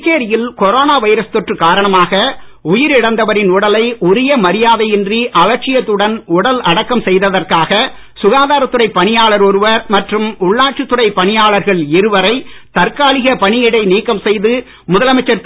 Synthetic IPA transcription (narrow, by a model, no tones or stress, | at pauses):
kːeːɾɪjɪlkɔɾoːnaːʋɐɪɾɐst̪ɔʈrɯkːaːɾɐɳɐmaːɣɐ | ʊjɪɾɪɽɐnd̪ɐʋɐɾɪnʊɽɐlɐɪʊɾɪjɐmɐɾɪjaːðɐɪɪndriʔɐlɐɾt͡ʃɪjɐt̪ːɯɽɐnʊɽɐlʔɐɽɐkːɐmsɛjðɐðɐrkaːɣɐ | sʊɣaːðaːɾɐt̪ːɯrɐɪpːɐɳɪjaːɭɐɾɔɾɯʋɐɾmɐʈrɯmʊɭːaːʈ̚t͡ʃɯt̪ːɯrɐɪpːɐɳɪjaːɭɐɾɣɐɭɪɾɯʋɐɾɐɪt̪ɐɾkaːɭɪɣɐpɐɳɪjɪɽɐɪniːkːɐmsɛjðɯ | mʊðɐlɐmɐɪt͡ʃːɐɾ